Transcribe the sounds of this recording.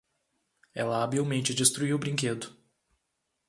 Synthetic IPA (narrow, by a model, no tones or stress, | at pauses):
ɛlɐabiwmẽnt͡ʃɪd͡ʒist̪ɾuiwʊbɾĩŋked̪ʊ